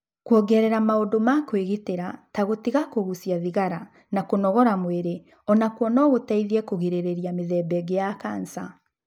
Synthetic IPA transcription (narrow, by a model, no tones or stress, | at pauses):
kwɔɡɛɾɛɾamaondomakweɣeteɾataɣotiɣakoɣusiaðiɣaɾa | nakonɔɣɔɾamweɾe | ɔnakwɔnɔɣotaiðiɛkoɣeɾeɾeɾiameðɛːbɛɡejakaːnsa